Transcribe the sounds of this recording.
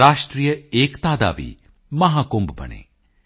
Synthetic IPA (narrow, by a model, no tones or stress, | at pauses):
aːʂʈɾijəeːkt̪aːd̪a̰ːʋḭː | mɐɦaːkombubɐ̰nḛː